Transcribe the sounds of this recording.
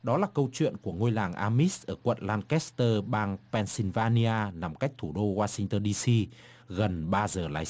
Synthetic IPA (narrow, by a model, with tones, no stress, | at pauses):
ɗɔ˨˦laː˨˩kə˧wt͡ɕwḭ˧˨ənku˧˩əŋo˧jlaː˨˩ŋʔaː˧mi˦˥sʔəː˧˩kwə̰˧˨nlaː˧nkɛ˦˥st̪əː˧ɓaː˧ŋpɛ˧nsi˧nvaː˧ni˧aː˧na˨˩mka˦˥jk̟̚t̪ʰu˧˩ɗo˧hwaː˧sï˧ŋt̪əː˧nɗi˧si˧ | ɣə˨˩nɓaː˧zəː˨˩la̰ː˨˦j